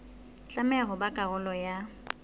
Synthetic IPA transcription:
t͡ɬʼamɛaɣʊbakʼaɣʊlɔja

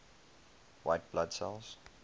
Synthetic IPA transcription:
waɪt̚b̥lad̥sɛ̰lˠz̥

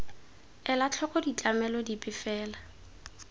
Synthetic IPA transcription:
ɛlat͡ɬʰɔkɔdit͡ɬʼamɛlɔdipʼɪfɛːla

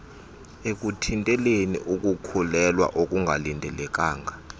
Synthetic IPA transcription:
ek̬ʼutʰintʼɛlenḭʔuk̬ʼukʰulɛlwa̰ʔok̬ʼuŋɡʱalintʼɛlɛk̬ʼaːŋɡʱa

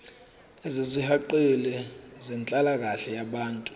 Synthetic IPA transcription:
ɛzezihaǃelɛzɛnt͡ɬʼalak̬aɬɛjaɓaːntʼu

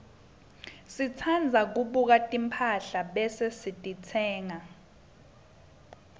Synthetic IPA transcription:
sit͡sʰand͡zʱak̬uɓuk̬atʼimpʰaɬaɓɛsesitʼit͡sʰɛːŋa

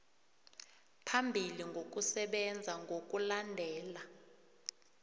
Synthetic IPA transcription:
pʰambʱiliŋɡʱok̬ʼusɛɓɛnd͡zʱaŋɡʱok̬ʼulandʱɛːla

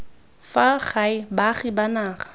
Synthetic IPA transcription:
faχaɪbaχibanaːχḁ

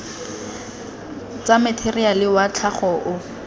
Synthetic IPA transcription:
t͡samɪtʰerialɪwat͡ɬʰaχɔʔʊ

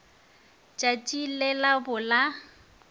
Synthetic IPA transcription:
t͡ʃʼat͡ʃʼilɛlabʊla

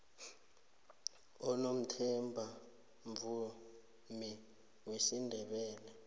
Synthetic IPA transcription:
ɔnom̩tʰɛmbʱa | ɱvu | mi | wesindʱɛɓɛːlɛ

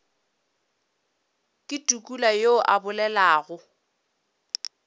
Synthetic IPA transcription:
kʼɪtʼukʼulajoʔabʊlɛlaːɣʊ

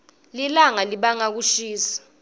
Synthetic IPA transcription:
lilaŋaliɓaŋak̬uʃiːsḁ

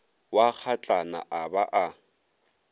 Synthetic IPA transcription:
wak͡xʰat͡ɬʼana̰ʔabaʔa

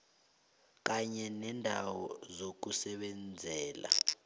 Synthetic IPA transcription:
k̬ʼaɲɛnɛndʱa̰wɔzok̬usɛɓɛnd͡zʱɛːla̰

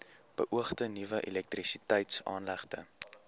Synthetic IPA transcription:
b̥ə̰ʔuəχtənivəʔɛlɛk̚trisitəjtsɑ̰ːnlæχtə̰

